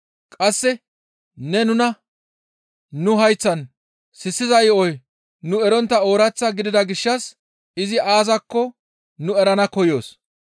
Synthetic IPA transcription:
kʼɐsːɛ | nɛnʊnɐ | nʊɦɐjt͡sːɐn | sɪsːɪzɐjɔj | nʊɛɾɔnt̪ːɐo̞ːɾɐt͡sːɐɡɪd̪ɪd̪ɐɡɪʃːɐs | ɪzɪʔaːzɐkːɔ | nʊɛɾɐnɐkɔjo̞ːs

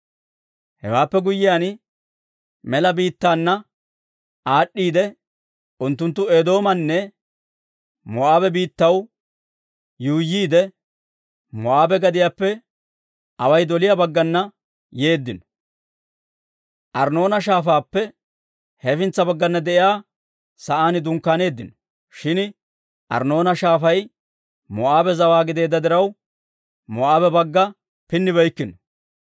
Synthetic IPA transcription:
hɛ̰waːpːɛɡʊjːɪjaːn | mɛlɐbiːt̪ːaːnːɐ | ʔaːɗːiːd̪ɛ | ʊnt̪ːʊnt̪̬ːʊeːd̪o̞ːmɐnːɛ | mɔʔaːbɛbiːt̪ːɐw | juːjiːd̪ɛ | mɔʔaːbɛɡɐd̪ɪjaːpːɛ | ʔɐwɐjd̪ɔlɪjabɐɡːɐnːɐ | je̞ːd̪ːɪnɔ̥ | ʔɐɾno̞ːnɐʃ̬aːfaːpːɛ | hɛfɪnt͡sːɐbɐɡːɐnːɐd̪ɛʔɪjaː | sɐʔaːnɪd̪ʊŋkːaːne̞ːd̪ːɪnɔ̥ | ʃɪn | ʔɐ̰ɾno̞ːnɐʃaːfɐj | mɔʔaːbɛzɐwaːɡɪd̪e̞ːd̪ɐd̪ɪɾɐw | mɔaːbɛbɐɡːɐ | pɪnːɪβɛjkːɪnɔ

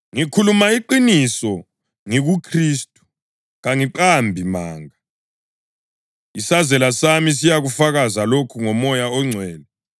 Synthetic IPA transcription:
ŋikʰulumaiǃinisɔ | ŋiɣukʰriːstʼu̥ | ɣaŋiǃambʱimaːŋa | isazɛlasamis̬ijaɣufaɣazalokʰuŋɔmɔjaɔŋ͡ǀʱwɛːlɛ

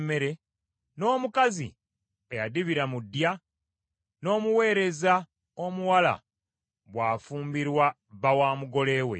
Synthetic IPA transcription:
me̞ɾe̞ | no̞ːmukazḭ | ejadiβiɾamudːja | no̞ːmuwe̞ːɾe̞za | o̞muwala̰ | βwaːfuːmbiɾwa | βawaːmuɡo̞le̞ːwe̞̰

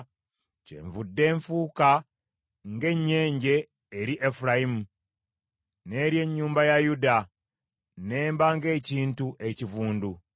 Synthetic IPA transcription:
cḛɱvudːe̞ːɱfuka | ŋɡe̞ɲːe̞ːɲɟe̞ː | ɾiʔefuɾajimu | ne̞ːɾje̞ɲːuːmbajajuda | ne̞ːmbaŋɡe̞ːciːntuʔe̞civuːndu

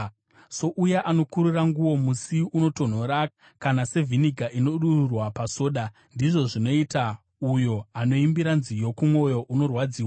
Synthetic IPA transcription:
so̞ʔujaʔano̞kuɾuraŋɡuwo̞musiuno̞to̞n̤o̞ɾa | kanase̞viniɡʱaʔino̞ɗururwapaso̞ːɗa | ndiʐo̞ʐino̞ita | ujo̞ano̞imbiɾanzijo̞kumwo̞jo̞ʔuno̞rwad͡ziːwa

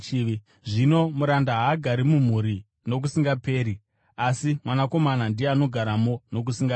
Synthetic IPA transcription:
ʐino̞muɾandaɦaːɡʱaɾimum̤uɾi | no̞k̬usiŋɡape̞ːɾi | asimwanako̞manandieano̞ɡʱaɾamo̞no̞k̬usiŋɡa

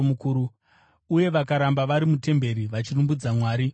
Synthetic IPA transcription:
mukuːɾu | uje̞ʋakaɾambaʋaɾimute̞mbe̞ɾiʋat͡ʃirumbud͡zamwaːɾi

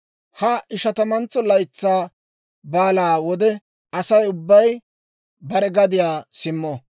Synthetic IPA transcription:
hɐɪʃɐt̪ɐmɐnt͡sːɔlɐjt͡sːaː | baːlaːwɔd̪ɛ | ɐsɐjʊbːɐj | bɐɾɛɡɐd̪ɪjaːsɪmːɔ

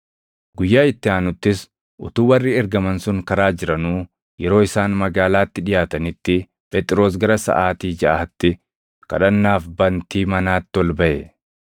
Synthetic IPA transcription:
ɡʊjːaːɪt̪ːɪaːnʊt̪ːɪs | ʔʊt̪uːwɐrːiːɛɾɡɐmɐnsʊŋkɐɾaːd͡ʒɪɾɐnuː | jɛɾo̞ːɪsaːnmɐɡaːlaːt̪ːɪᶑɪjaːt̪ɐnɪt̪ːɪ | pʰɛt̪ʼɪɾo̞ːs̬ɡɐɾɐsɐ̰ʔaːt̪iːd͡ʒɐʔɐːt̪ːɪ | kɐ̰ᶑɐnːaːfbɐnt̪iːmɐnaːt̪ːɪɔlbɐʔɛ

